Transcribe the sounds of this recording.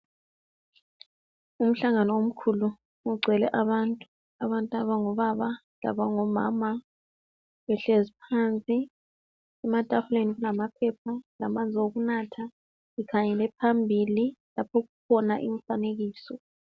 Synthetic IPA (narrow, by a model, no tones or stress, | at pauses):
um̩ɬaŋanɔom̩kʰulu | uɡ͡ǀʱɛlɛʔaβantʼu | aβantʼaβaŋɔβaβa | la̰βaŋɔma̰ːma | βɛɬezipʰant͡sʼi | ɛmatʼaxuleniɣulamapʰɛp̚ʰalamand͡zʱioɣunatʰa | ikʰaɲɛlɛpʰambʱililapʰɔɣukʰɔnaʔḭɱfaneɣiːsɔ